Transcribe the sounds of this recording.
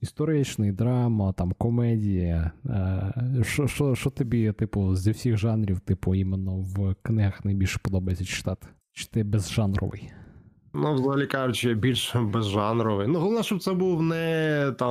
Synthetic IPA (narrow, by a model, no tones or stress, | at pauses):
ist̪ɔɾɪt͡ʃnɪjd̪ɾɑmɐt̪ɑmkɔmɛdʲijɐ | ʃt͡ʃɔʃt͡ʃɔʃt͡ʃɔt̪ɔbʲit̪ɪpʊzʲɐwsʲiɣʒɑnɾʲiwt̪ɪpʊimenːɔwknɪɦɐxnɐjbʲilʲʃɛ̥pɔd̪ɔbɐjesʲɐt͡ʃɪ̥t̪ɑt̪ɪ̥ | t͡ʃɪ̥t̪ɪbezʒɑnɾɔ̰ʋɪ̰j | nuwzɐɦɐlʲikɑjʊt͡ʃɪbʲilʲʃbezʒɑnɾɔʋɪjnuɦɔlˠɔʋnɛʃt͡ʃɔb̚t̪sɛbuwnɛt̪ɑ